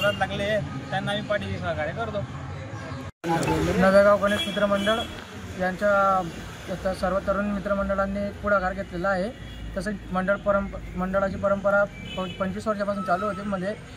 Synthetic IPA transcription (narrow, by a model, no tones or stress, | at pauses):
ɾat̪laɡlejet̪janːaʋiːnpaʈiɡisəɡakaɾjekəɾt̪o | nəɡəɾɡawɡəɽesmit̪ɾəməɳɖəɭ | t̪jaɲt͡ɕja | ət̪asəɾʋət̪ːəɾuːnmit̪ɾəməɳɖəɭanːiːpuɽ̤aɡaɾɡʱet̪lelaːɦe | t̪əs̬əməɳɖəɭpəɾəmməɳɖəɭat͡ɕiːpəɾəmpəɾa | ppəɲt͡ɕiːsʋaɾt͡ɕjapasuːnt͡salːuɦot̪̬iːməd̪ʱːje